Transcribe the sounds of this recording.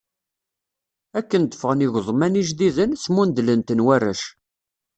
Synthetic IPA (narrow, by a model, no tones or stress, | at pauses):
ækːənd̪əfəʁəniʝðˤmæniʒðiðənsmund̪lənt̪ənwærːæ̰ʃ